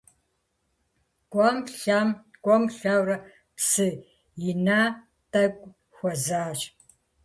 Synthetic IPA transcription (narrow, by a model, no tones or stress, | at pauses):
ɡ̥ʷʼɔmɬamɡʷʼɔmɬawrɐ | psɨ | jɪnaː | tʰʼɐɡʷʼ | xʷɔzaːt͡ʃʼ